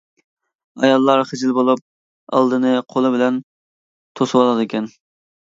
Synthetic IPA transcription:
ɑ̰jɑlˠːɑɾχɪd͡ʒɪlbolˠup̚ | ɑ̰lˠd̪ɨnɨqʰolˠɨbɪlɛn | t̪ʰoswɑlˠɑd̪ɨkʲʰɛn

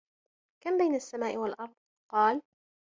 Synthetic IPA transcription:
kambajnasːamaːʔɪwalʔɑɾˤd̪̚ˤ | qɑːl

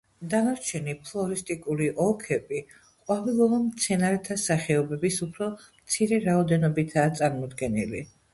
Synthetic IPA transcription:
d̪anaɾt͡ʃʰɛnipʰlˠɔɾist̪ʼikʼuliʔɔkʰɛbi | qʼwavilˠɔlamt̪sʰɛnaɾɛt̪ʰasaχɛɔbɛbisupʰɾɔmtt̪sʰiɾɛɾaɔd̪ɛnɔbit̪ʰaːt̪sʼaɾmɔd̪ɡɛnili

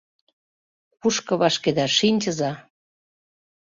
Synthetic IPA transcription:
kuʃkɤ̆βɑʃked̪ɑʃinʲt͡ɕə̆zɑ

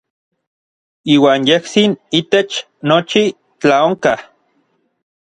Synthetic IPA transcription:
iːwaːnjehsinit̪et͡ʃ | not͡ʃi | t͡ɬaoŋka

